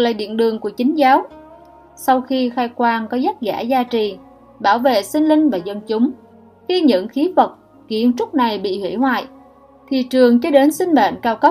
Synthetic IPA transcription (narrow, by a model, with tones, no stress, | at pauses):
k̚la̰ː˧˨ɗḭ˧˨ənɗɨ˨˩əŋku˧˩ət͡ɕï˨˦ŋ̟zaː˨˦w | sa˧wxi˧xaː˧jkwaː˧nkɔ˨˦zə˦˥t̚za̰ː˧˩zaː˧t͡ɕi˨˩ | ɓaː˧˩wvḛ˧˨sï˧ŋ̟lï˧ŋ̟vaː˨˩zə˧nt͡ɕʊ˨˦ŋ͡m | xi˧ɲɨ̰˧˥ŋxi˨˦və˨˩t̚ | ɣḭ˧˥ənt͡ɕʊ˦˥t̚na˨˩jɓḭ˧˨hwḭ˧˩hwa̰ː˧˨j | t̪ʰi˧˨t͡ɕɨ˨˩əŋt͡ɕɔ˧ɗe˨˦nsï˧ŋ̟ma̰˧˨nkaː˧wkə˦˥